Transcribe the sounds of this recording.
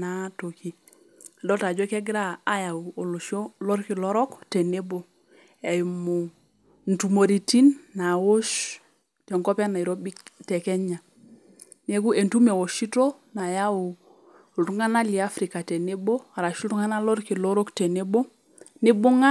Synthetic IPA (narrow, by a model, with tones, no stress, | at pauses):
na˦to˨ki˨ | dɔ˦ta˨d͡ʒɔ˦kɛ˦ɡɾa˦a˨ja˨u˨o˨lu˨ʃo˦lɔ˦ɾki˨lo˦ɾɔ˦ktɛ˨ne˦bo˦ | e˨jmu˨ | n̩˨tu˨mo˨ɾi˨ti˦nːa˨wo˦ʃ | te˨ŋkɔ˦pa˦na˨i˨ɾo˦bi˦tɛ˨kɛ˦ɲa˨ | ne˦ku˦e˨ntu˦me˨wo˨ʃi˦to˦ | na˨ja˦wu˨ | ltu˦ŋa˦na˦li˨a˦fɾi˨ka˨tɛ˨ne˦bo˦a˨ɾa˨ʃu˦ltu˦ŋa˦na˦lo˦ɾki˨lo˦ɾo˦kte˨ne˦bo˦ | ne˦bu˦ŋa˦